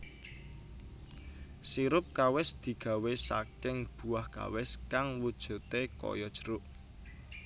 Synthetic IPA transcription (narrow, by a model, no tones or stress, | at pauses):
siɾʊp̚kawɪsd̪̥i̤ɡ̥a̤wesa̰kɪŋb̥ṳahka̰wɪskaŋwud̥ʒ̥ṳt̪ekɔ̰jɔd̥ʒ̥ə̤̥ɾʊʔ